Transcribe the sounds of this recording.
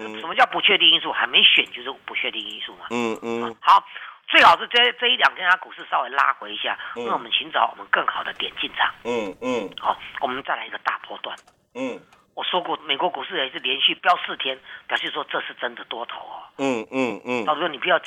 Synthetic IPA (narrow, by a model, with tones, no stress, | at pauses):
ʂə˨˩mə˦t͡ɕjɑ˥˩pu˧˥t͡ɕʰɥɛ˥˧t̪i˥˧i˧˥ns̬u˥˩xa˧˥ɪme˧˥ɪɕɥɛ˨˩nt͡ɕjo˧ʂɻ̩˥˩pu˧˥t͡ɕʰɥɛ˥˧t̪i˥˩ŋi˧˥nsu˥˩mɐ˩ɔ˨˧hɑ˧˥˦ʊt͡swe˥˩ɪxɑ˨˩ʊʂ̬̩˥˧t͡st͡sɤ˥˧i˥ljɑ˨˩ŋt̪ʰjɛ˥nt̪ʰa˥ku˨˩ʂɻ̩˥˩sɑ˥ʊwe˨˩ɪla̰˥xwe˧ɪi˧˥ɕja̰˥˩na˥˩wɔ˨˩mə˦nɕʰy˧˥nt͡sɑ˨˧˥wɔ̰˨˩mə˦nkə˥˩ŋxɑ˨˩ʊd̪ə˦t̪jɛ˨˩nt͡ɕi˥˩nt͡sʰɑ̰˨˩˦ŋ | hɔ˥˩wɔ˨˩mə˦nt͡sa˥ɪla˧ɪi˧ɡə˧t̪a̰˥˧pʰwɔ̰˥˧t̪wa̰˥˩n | wɔ˨˩ʂwɔ˥kwɔ˥˩me˨˩ɪkwɔ˧˦˥ku˨˩ʂɻ̩˥˩a˧˥ʂ̬ɻ̩˥˩ljɛ˧˥nɕy˥˩pjɑ˥ʊsɹ̩˥˩t̪ʰjɛ˥npjɕi˥˩ʂwɔ˥ʈ͡ʂɤ˥˧ʂɻ̩˥˩ʈ͡ʂə˦nd̪ə˨t̪wɔ˥t̪ʰo̰˨˧˦ʊɔ̰˨˩ | u˧˥˩ni˨˩pu˧jɑ˥˧ʊ